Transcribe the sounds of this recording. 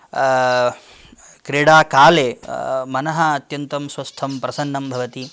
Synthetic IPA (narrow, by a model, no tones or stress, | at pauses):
kɾeːɽaːkaːleːmɐnɐɦɐɐt̪jɐnt̪ɐmswɐst̪ʰɐmpɾɐsɐnːɐmbʱɐʋɐt̪i